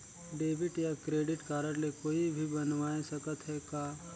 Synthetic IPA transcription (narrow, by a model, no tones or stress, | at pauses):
ɖeːbɪʈjakɾeːɖɪʈkaːɾəɽlekoːibʱibɐnʋaːesɐkət̪ɦɛkaː